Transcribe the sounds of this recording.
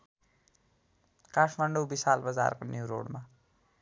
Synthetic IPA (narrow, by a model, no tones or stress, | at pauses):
kaʈʰmaɳɖowbisalbʌd͡za̰rkonjuwɾo̰ɽma